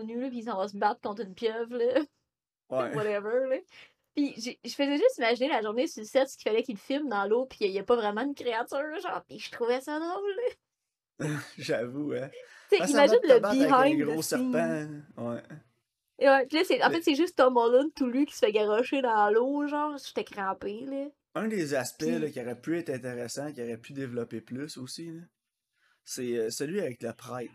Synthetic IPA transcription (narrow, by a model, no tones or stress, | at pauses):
nyləpis̬ɑ̃vɔs̬əbat̪kɔ̃t̪χɨnpjœvlə | wɛwaɾɛvə˞lə | piʒeʒəfəzɛʒʏst̪imaʒinelaʒuʁnesylsɛt̪sə̥kʲi̥falɛkilfɪlmd̪ɑ̃lopi̥jajɛpɔvʁɛmɑ̃ydnkʁeat̪yːʁʒɑ̰̃ːʁpiʒə̥t̪χuvɛsɐd̪ʁowlːə | ʒavuɛ | t͡seimaʒɪnləbiɦaɪɡʁosɛipãwɛ | wɛpilʌsɛɑ̃fɛt̪sɛʒʏst̪ɔmɔlʊnt̪ulykʲi̥sə̥fɛɡaʁɔʃed̪ɑ̃loʒɑ̃ːʁʃt̪ɛkʁɑ̃ːpelə | œ̃d̪ezaspɛlɔkʲiaʁɛpyɛɪt̪χɛ̃t̪eʁesãkʲjaʁɛpʰyd̪evlɔpeplʏsosilə | sesɛlɥiavɛklapʁaɪt̪̚